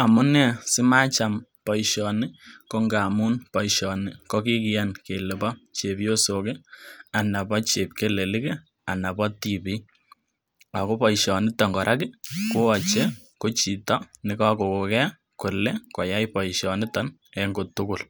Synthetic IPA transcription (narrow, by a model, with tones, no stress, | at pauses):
a˨mʊ˦nɛ˦sɪ˦ma˦t͡ʃa˨m | pɔ˨ɪʃɔ˨nɪ˦ko˦ŋɡa˨mʊ˦npɔ˨jʃɔ˨nɪ˦kɔ˦ki˦kɪ˦ja˦nke˨lɪ˨bɔ˦t͡ʃe˨pjo˦so˨ke˦a˨na˨pɔ˦t͡ʃe˨p̚ke˦le˨lɪ˦ke˦ | a˨na˨pɔ˦ti˨pɪ˦ | a˨ko˦pɔ˨jʃɔ˨nɪ˦tɔ˨ŋɡɔ˨ɾʔa˦kɪ˦kʊ˦ɔ˨t͡ʃe˦ | ko˦t͡ʃi˨tɔ˦nɪ˨˦kɔ˦ko˨ko˨kɛ˦ | kʊ˨le˦kɔ˨ja˦jpɔ˨iʃɔ˨nɪ˦tɔ˦n | ɛ˨ŋɡo˨tʊ˦kʊ˨l